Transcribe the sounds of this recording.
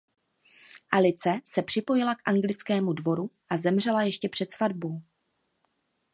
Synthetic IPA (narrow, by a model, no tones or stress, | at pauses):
ʔalɪt͡sɛsɛpr̝̥ɪpo̞jɪlakʔaŋɡlɪt͡skɛːmudvo̞ɾuʔazɛmr̝ɛlajɛʃcɛpr̥ɛt̪svadbo̞w